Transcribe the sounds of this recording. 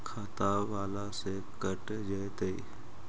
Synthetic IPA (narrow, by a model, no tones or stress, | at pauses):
kʰaːt̪aʋaːlase | kəʈ | d͡ʒəjt̪eḭ